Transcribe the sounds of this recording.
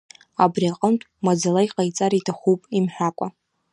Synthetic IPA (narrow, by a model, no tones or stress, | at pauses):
abriaqʼəmtʼmad͡zalaiqʼajt͡sʼaɾitʰaχupʼimħʷᶣakʷʼa